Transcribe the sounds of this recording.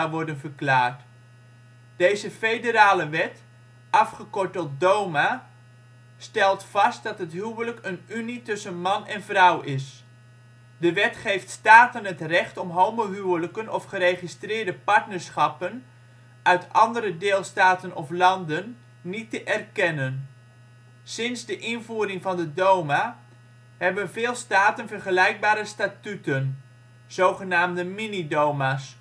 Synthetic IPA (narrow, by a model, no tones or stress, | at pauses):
aʋɔɹdənvərklaːɹt | d̥ejzəfejdəɾaːləʋɛt | ʔɑfχəkɔɹtɔt̚dowma | stɛlˠtfɑst̚dɑtɦətɦywwələkənynitɵsənmɑnɛnvrʌwɪs | dəʋɛtχejftstaːtənətrɛχtɔmɦowməɦywələkənɔfχərejχistrɪːɹdəpɑɹtnəɹsχɑpən | ʔœɥtʰɑndəɾədɪːlˠstaːtənɔflɑndənː | itəʔɛrkɛnən | sɪnzdəʔɪnvuːɾɪŋvɑndədowma | ɦɛbənvɪːlˠstaːtənvərχəlɛjɡ̚baːɾəstaːtytən | z̥owχənaːmdəminidowmas